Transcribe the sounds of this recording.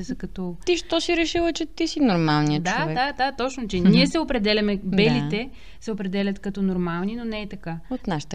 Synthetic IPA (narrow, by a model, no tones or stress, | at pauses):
zɐkɐt̪ɔt̪iʃt̪ɔsiɾɛʃilˠət͡ʃɛt̪isinoɾmalˠniədt͡ʃ̪oaɛad̪at̪ɔt͡ʃnot͡ʃɛniɛsɛopɾɛd̪ɛlʲɐmɛbɛlit̪ɛ | sɛopɾɛd̪ɛlʲɐt̪kɐt̪ɔnoɾmalˠninonɛɛt̪ɐkaot̪naʃə̥t̪ə